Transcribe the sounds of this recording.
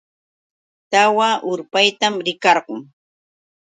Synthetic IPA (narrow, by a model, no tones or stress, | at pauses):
t̪awaʔʊɾpajt̪amɾɪkɑɾɢʊŋ